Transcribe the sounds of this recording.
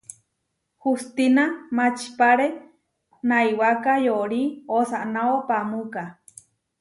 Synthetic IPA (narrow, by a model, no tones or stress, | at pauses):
hust̪inamat͡ʃi̥paɾe | naiwakajoʔɾiosaʔnaopamuka